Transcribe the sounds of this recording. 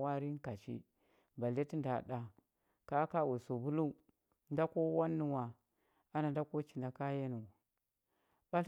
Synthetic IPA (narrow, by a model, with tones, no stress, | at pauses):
wa˦ɾi˦ŋ˦ka˨t͡ʃḭ˦ | ba˨le˦ti˦nda˨ɗa˨ | ka˦ka˦˨wu˨so˨bu˦lu˦ | n˦da˦ko˦wa˦nːu˨wa˨ | a˦na˨nda˦ko˦t͡ʃi˨na˨ka˦je˦nu˨w | ba˦l